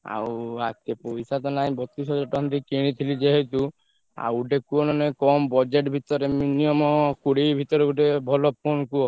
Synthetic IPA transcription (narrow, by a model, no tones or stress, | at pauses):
a̰wa̰t̪epojsat̪ɔnaĩbɔt̪isɔd͡ʒɔʈɔɔnt̪ikiɽ̃it̪ʰilid͡ʒeɦet̪u | a̰wuɖekuɔnɔnekɔmbɔd͡ʒeʈbʱit̪ɔɾeminiɔmɔkuɽibʱit̪ɔɾeuʈebʱɔlɔpʰonkuɔ